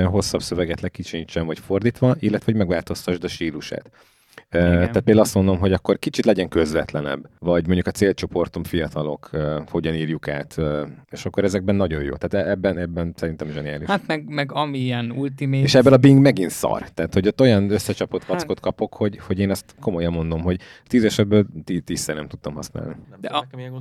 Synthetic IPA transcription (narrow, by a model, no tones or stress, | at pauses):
ɦo̞sːɒbsø̞vɛɡɛt̪lɛkːit͡ʃint͡ʃːɛɱvɒcfo̞rd̪iːt̪ʋɒʔilːɛt̪ʋɛɦoɟmɛɡvaːlt̪o̞st̪ɒʒd̪ɛʃt̪iːluʃa̰ːt̪ | øt̪aːt̪peːlːɛɒst̪mo̞nd̪o̞mɦo̞ɟɒkːorkit͡ʃit̪lɛɟɛŋkø̞zvɛt̪lɛnɛ̰bvɒɟmoɲɟukɒt̪seːlt͡ʃo̞po̞rt̪omfijɒt̪ɒlo̞̰køːho̞ɟɒniːrjuka̰ːt̪øːeːʃɒkːoɾɛzɛɡ̚bɛnːɒɟojjo̰ːt̪ɛːt̪ɛɛbːɛnɛbːɛnsɛɾint̪ɛmʒɛnijaːliʃhat̪mɛɡmɛɡɒmiiɛnult̪imeeːʃɛbːɛlɒbiŋɡmɛɡint̪sɒ̰rt̪aːt̪ho̞ɟot̪ːo̞jɒnøsːɛt͡ʃɒpot̪kɒsko̞t̪kɒpo̞kho̞ɟho̞ɟeːnɛst̪ko̞mojɛmːo̞nd̪o̞mɦoɟt̪iːzɛʃɛd̪̚bøːlt̪it̪isːɛrnɛmt̪u̥t̪ːomɒ̰sna̰ːlnid̪ɛ